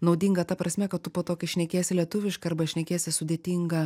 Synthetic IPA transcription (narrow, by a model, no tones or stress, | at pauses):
nɒʊd̪ʲiːŋɡɐt̪ɐpɾɐsʲmʲɛkɐt̪tʊpoːt̪oːkʲɛʃʲnʲɛkʲeːsʲɪlʲiɛt̪ʊʋʲɪʃkɐɐrbɐʃʲnʲɛkʲeːsʲɪsʊdʲeːt̪ʲiːŋɡɐ